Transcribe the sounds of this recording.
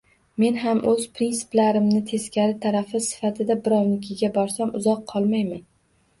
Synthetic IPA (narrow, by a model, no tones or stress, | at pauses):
me̞nɦamʔɵz̥pɾinsɪ̥plaɾɪmnɪt̪ʰe̞skʲʰaɾɪt̪ʰaɾafɪsɪ̥fat̪ʰɪd̪abɪɾɒwnɪkʲʰɪɡʲabɒɾsamʊzɒqʰːɒlˠmajman